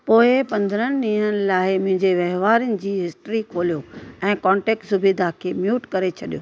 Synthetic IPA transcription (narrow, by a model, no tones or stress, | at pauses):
poːɪpɐ̃nd̪əɾənɪ̆ɗĩːn̤ənɪ̆laːɪmʊ̃ɦɪ̃ɲd͡ʑeʋɐɦʋaːɾənɪ̆d͡ʑiːɦɪsʈɾikʰoːlijoɛ̃ːkɔ̃ːɳʈeːk̚ʈsʊbiːd̪akʰeːmjuːʈkɐɾet͡ɕʰɐɗijoː